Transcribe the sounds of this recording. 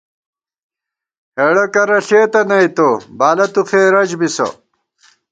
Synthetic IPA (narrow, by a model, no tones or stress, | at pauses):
heɽɐkɐɾɐɬeːt̪ɐnɐit̪obaːlɐt̪uxeːɾɐd͡ʑbiso̰